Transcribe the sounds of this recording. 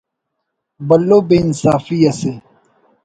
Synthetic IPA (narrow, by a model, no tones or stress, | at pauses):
bɐlːoːbeːnsaːfiːɐseː